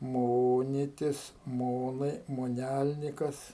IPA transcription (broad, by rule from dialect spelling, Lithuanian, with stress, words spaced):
ˈmoːnʲɪtʲɪs ˈmoːnɐɪ moːˈnʲælʲnʲɪkɐs